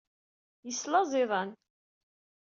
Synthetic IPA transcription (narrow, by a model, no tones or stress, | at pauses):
jəslɑzˤɪðˤɑn